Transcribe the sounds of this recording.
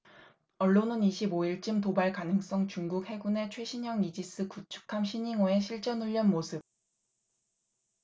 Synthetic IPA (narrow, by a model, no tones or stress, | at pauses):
ʌɭːonɯniɕʰiboiɭt͡ɕ͈ɯmtobaɭkanɯŋs͈ʌŋt͡ɕuŋɡuk̚he̞ɡune̞t͡ɕʰwe̞ɕʰiɲʌŋid͡ʑis͈ʰɯkut͡ɕʰu̥kʰamɕʰiɲiŋoe̞ɕ̬ʰiɭt͡ɕ͈ʌnuʎːʌnmosʰɯp̚